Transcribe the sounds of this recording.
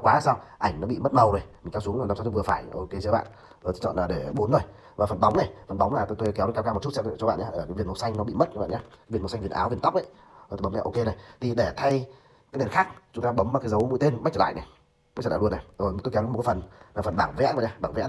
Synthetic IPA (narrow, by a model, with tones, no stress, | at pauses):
kwaː˨˦˨saː˧wʔa˧˩jŋ̟nɔ˨˦ɓḭ˧˨mə˦˥t̚mə˨˩wzo˨˩jmi˨˩kɛ˨˦su˨˦˨aː˧˩svəfaː˧˩jʔo˧ke˧t͡ɕːɓ̰ːn | o˧˨˩t̪ʰt͡ɕɔ̰˧˨laː˨˩ɗe˧˩ɓo˨˦nzo˨˩j | vaː˨˩fə˨˩nɓa˨˦wŋ͡mna˨˩jfə˨˩nɓa˨˦wŋ͡mnaː˨˩t̪t̪o˧jkɛ˨˦wka˧wkaː˧m˨˩tt͡ɕu˦˥tsa˧˨˩t͡ɕɔ˧ɓa̰ː˧˨nɲaː˨˦ʔəː˧˩kːvi˨ənmo˧˩sa˧jŋ̟nɔ˨˦ɓḭ˧˨mə˦˥t̚t͡ɕa̰ː˧˨ɲaː˨˦a˨˦vi˨˩ənmo˧˩sŋvənʔa̰ː˨˦wvi˨˩ənt̪k͡p̚ʔa˧˦j | t̪ːo˨˧˩ɓə˨˦ɲa̰˧ʔo˧ke˧na˨˩jt̪ʰi˨˩ɗe˧˩t̪ʰa˧j | kaː˨˦nŋə˨˩nxaː˦˥k̚t͡ɕʊ˨˦ŋ͡mt̪aː˧ɓə˨˦maː˨˩kaː˨˦zə˨˦wmṵ˧˥˦t̪e˧nma˦˥k̚t͡ɕəː˧˨l̰ːjna˨˩ | m̚˦˥t͡ɕːə˧˩a̰ː˧˨˧na˨˩jʔo˨˩jt̪kɛ˨˦wa˧˦m˨tkːa˨˦fə˨˩nlaː˨˩fə˨˩nɓaː˧˩ŋvɛ̰˧˦˥ɲaː˧˦ɓaː˧˩ŋvɛ̰˧˥˧